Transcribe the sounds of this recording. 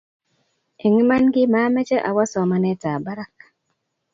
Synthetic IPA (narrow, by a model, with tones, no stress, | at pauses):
e˨ŋ˦ma˦nɡɪ˦ma˦mɛ˦t͡ʃɛ˦ʔa˨wa˦sɔ˨ma˨nɛ˦ta˨ba˦ɾa˦k